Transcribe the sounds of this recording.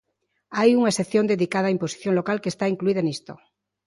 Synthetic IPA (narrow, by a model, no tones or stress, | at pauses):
ajuŋaeseθjond̪eðikaðaːimposi̥θjoŋlokalkest̪aiŋkluiðaenist̪o